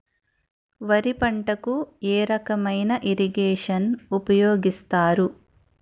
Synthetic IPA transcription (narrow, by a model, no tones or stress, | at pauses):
ʋɐɾipɐɳʈɐkueːɾɐkɐmɐjnɐʔiɾiɡeːʂɐnupɐjoːɡist̪aːɾu